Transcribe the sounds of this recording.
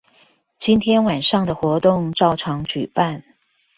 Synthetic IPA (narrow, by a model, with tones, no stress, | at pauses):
t͡ɕi˥nt̪ʰjɛ˥nwa˨˩nʂɑ˥˩ŋd̪ə˩xwɔ˧˥t̪ʊ˥˩˧ŋʈ͡ʂɑ˥˩ʊʈ͡ʂʰɑ˧˥ŋt͡ɕy˨˩pa˥˩n